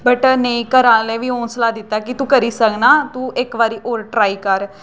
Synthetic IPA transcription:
bəʈnəĩːkəɾãːlɛːʋiːoːnsəlaːd̪ɪt̪ːaːkɪt̪ũːkəɾiːsəknaːt̪ũːɪkʋaːɾiːʔoːɾʈɾaːiːkəɾ

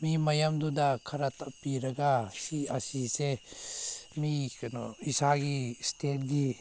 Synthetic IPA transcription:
mimɐjamdudɐkʰɐɾɐtʰɐpːiɾɐɡasiɐsise | miknoisaɡistʰet̚ɡi

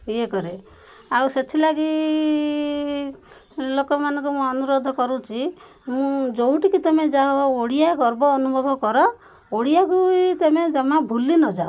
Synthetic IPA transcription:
iekɔɾe | awset̪ʰilaɡi | lokɔmanɔ̃ŋkumũɔnuɾod̪ʱɔkɔɾũt͡ʃʰi | mũd͡ʒowʈikit̪ɔmed͡ʒaoɽijaɡɔɾbɔːnubʱɔbʱɔkɔɾɔ | oɽijakujt̪emed͡ʒɔmabʱulinɔd͡ʒao

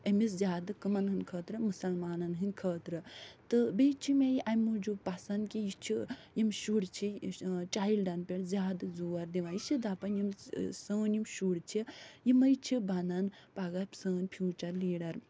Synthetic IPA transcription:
emis̬zʲjaːd̪ɨkɐmɐnɦɨnʲkʰəːt̪ɾɨmɨsɐlmaːnɐnɦɨnʲkʰəːt̪ɾɨt̪ɨbet͡ʃʰimʲejiʔɐmud͡ʒubpasɐnkijit͡ʃʰijimʃuɽt͡ʃʰit͡ʃaːjilɖɐnpʲeɽzʲjaːd̪ɨzuːɐɾd̪iʋaːjit͡ʃʰid̪apɐnjimsəːnjimʃuɽt͡ʃʰijimɐjit͡ʃʰibɐnɐn | paɡapsəːnʲpʰjuːt͡ʃɐɾliːɽɐɾ

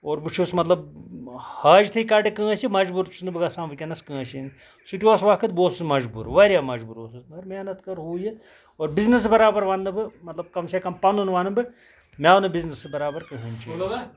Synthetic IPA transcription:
oːɾbɨt͡ʃʰusmɐt̪lɐb̚ | haːd͡ʒt̪ʰɐikaɖekɨ̃ːɐsimɐd͡ʒbuɾt͡ʃʰunɨbɨɡɐsãːnʋɨkʲɐnɐskɨ̃ːɐʃin | suʈʲiʋoːsʋaːkʰɐt̪̚boːsusmɐd͡ʒbṵːɾʋɐɾʲjaːmɐd͡ʒbuːɾo̰ːsusmɐɐɾmeːnɐt̪kɐɾɦuːje | oːɾbiznɐs̬bɐɾaːbɐɾʋɐnːɨbɨmɐt̪lɐb̚kɐmsekɐmpɐnunʋɐnɨbɨ | mʲaːnɨbiznɐsbɐɾaːbɐɾkɐɦinʲt͡ʃʰiː

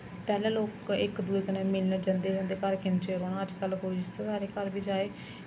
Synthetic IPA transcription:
pɛːlãːloːkɪkd̪ueːkənẽːmɪlnəd͡ʒə̃nd̪eːd͡ʒə̃nd̪eːkəɾkʰɪnt͡ʃeːɾoːnaːəd͡ʒkəlɦoːid͡ʒɪst̪aːsaːɾeːkəɾbiːd͡ʒaːeː

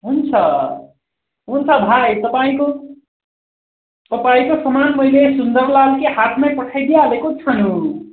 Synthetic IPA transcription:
ɦunt͡sʰʌ | ɦunt͡sʰʌbʱajt̪ʌpaĩko | t̪ʌpaĩkosʌmanmʌjlesund̪ʌɾlalkeɦat̪ʰmapʌʈʰajd̪ealekot͡sʰʌnu

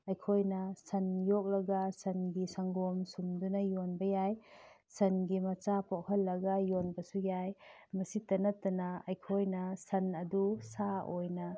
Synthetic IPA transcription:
ɐjkʰojnɐsɐnjɔk̚lɐɡasɐnɡisaŋɡɔmsumdunɐjɔnbɐjaj | sɐnɡimɐt͡ʃapʰɔʔ̚hɐlːɐɡajɔnbɐsujajmɐsitɐnɐtːɐnaɐjkʰojnɐsɐnɐdusaojna

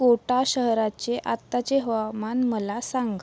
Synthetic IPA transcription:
koʈaɕəɦɾat͡ɕeʔat̪ːat͡ɕeɦʋamanməlasaŋɡ

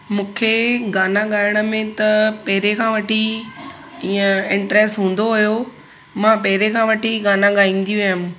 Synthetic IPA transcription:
mũːkʰeɡaːnaɠaːɪəɽ̃ə̆mẽt̪ɐpɐɦɪɾekʰãːʋɐʈi | iːə̃ɪ̃ɳʈɾeːsʈɦũːn̆d̪oɦʊjo | mãːpɐɦɪɾekʰãːʋɐʈiɡaːnãɠaːĩn̆d̪ijũɦʊm

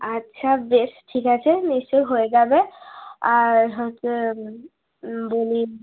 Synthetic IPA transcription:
atːɕʰabesʈʰikat͡ɕʰenist͡ɕojɦoeɡabeaɾɦojtse | boli

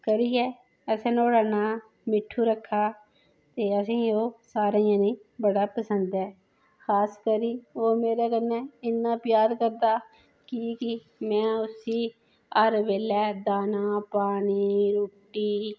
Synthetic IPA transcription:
kəɾiːɛː | əsẽːnoːɽaːnaː | mɪʈʰːuːɾəkʰːaː | t̪eːəsĩːoːsaːɾeãːnĩːbəɽaːpəsənd̪ɛː | xʰaːskəɾiːoːmeːɾeːkənːɛːɪnːãːpjaːɾkəɾd̪aː | kɪkɪ | mɛ̃ːʊsiː | əɾʋeːlɛːd̪aːnãːpaːniːɾoːʈiː

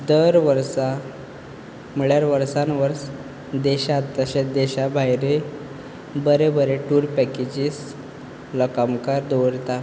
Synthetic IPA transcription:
d̪əɾʋəɾsa | m̤əɭjaɾʋəɾsanʋəɾs | d̪eɕat̪ːəɕed̪eɕabʱajɾe | bəɾebəɾeʈuːɾpɛked͡ʑis | ləkamkaɾd̪oʋɾt̪a

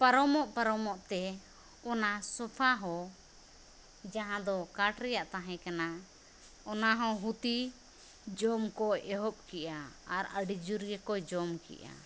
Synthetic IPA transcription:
paɾɔmɔʔpaɾɔmɔʔt̪ɛ | ɔnasɔpʰaɦɔ | d͡ʒaɦãd̪ɔkaʈɾɛjaʔt̪aɦɛ̃kana | ɔnaɦɔ̃ɦut̪i | d͡ʒɔmkɔɛɦɔp̚kɛʔaaɾəɖid͡ʒuɾɡɛkɔd͡ʒɔmkɛ̰ʔa̰

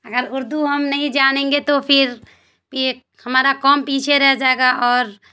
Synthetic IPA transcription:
ɐɡəɾʊɾd̪ʱuɦɐmnɐɦĩd͡ʒaːñẽːŋɡet̪opʰɪɾ | pi | hɐmaːɾakɔːmpiːt͡ʃʰeɾɛɦd͡ʒaːeɡaʔɔːɾ

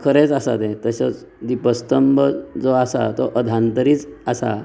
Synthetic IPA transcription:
kʰəɾet͡sasa̰t̪ẽt̪əɕət͡s | d̪ipəst̪əmbəd͡zɔasa̰t̪ɔʔəd̪ʱãnt̪əɾiːt͡sasa̰

